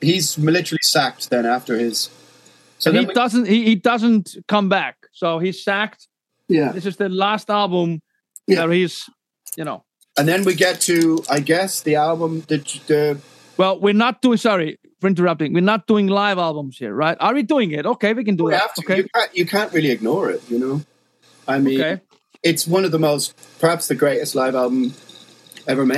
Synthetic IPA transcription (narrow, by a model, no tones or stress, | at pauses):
hizmɪlɪɾə˞l̩ˠisæk̚t̚ðɨ̃ñæftə˞ɪz̥ | sõðhidʌzə̃nthihidʌzə̃nkʰʌ̃mbæk̚ | soʊhiz̥sæk̚t̚ | jæðɪs̬ɨzðɨlæstælˠbə̃m | ə˞hiz̥ | jɨnoʊ | ə̃nðɨ̃nwiɡɛtʰɨaɪɡɛsðiælˠbə̃mðɨt͡ʃðɨ | wɛlˠwɪɹnət̚d̥uɪ̃ŋsɑɹi | fə˞ɪ̃ntə˞ʌp̚tɪ̃ŋwɪɹnət̚d̥uɪ̃ŋlaɪvælˠbə̃mz̥hḭɹɹaɪtə˞jiduɪ̃ŋɪtoʊkeɪwikɨ̃ndəæoʊkeɨkʰãnjɨkʰæ̃nʔɹɪlˠiɨɡ̚nɔːɹɪ̰t̚jɨnoʊ | aɪmoʊĩkeɪ | ɪtswʌ̃nʌvðəmoʊst̚pʰə˞hapsðɨɡɹeɪɾɨstˡlaɪvalˠbə̃m̩ | ɛvə˞me